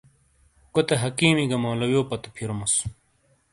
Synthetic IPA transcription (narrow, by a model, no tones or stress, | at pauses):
kot̪eɦɐkiːmiɡɐmoːlɐwjoːpɐt̪u̥pʰiɾomus